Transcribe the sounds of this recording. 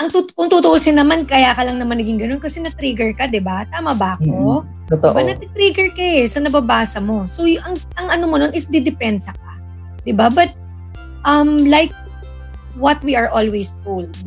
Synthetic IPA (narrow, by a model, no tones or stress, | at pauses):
ʔɐŋt̪ʊkʊŋt̪ut̪ʊʔusɪnːɐmankɐjakɐlɐŋnɐmanɐɡɪŋɡɐno̞nkɐsɛnɐt̪ɾiɡɛɹkɐd̪ɪbat̪aːmɐbɐɐko | t̪ot̪oʔbɐnɐt̪ɪt̪ɾiɡɛɹkɐɛsɐnɐbabaːsɐmo̞sojʔɐŋʔɐŋʔɐnomono̞nɪsd̪ɛd̪ɪpɛnsɐk̚a̰ | d̪̥ɪbabɐt̪̚ | ʔɐmlajk̚ | wɐt̪̚wiɐɹʔolwejst̪ul